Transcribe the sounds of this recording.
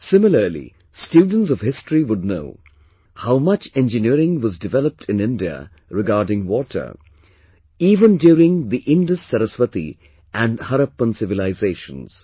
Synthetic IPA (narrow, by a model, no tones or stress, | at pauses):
sɪmɪləɾlḭ | stjuːɖ̃ⁿn̩ts̬ɔʋhɪstɹiʋʊd̚no̰ʊ | haʊmʌt͡ʃɛ̃nd͡ʒɨniəɾɪ̃ŋʋɔzdɨvɛləp̚ʈʰɪ̃nɪ̃ndiə̰ | ɾɪɡaːɾɖɪ̃ŋwɔʈʰə̰˞ | iːvə̃ndjuːɾɪ̃ŋd̪iʔɪ̃nɖəsɛɾəsʋət̪ḭ | ʔæ̃ɳɖhʌɾəpːə̃nsɪvɪlaɪzeːʃə̰̃nz̥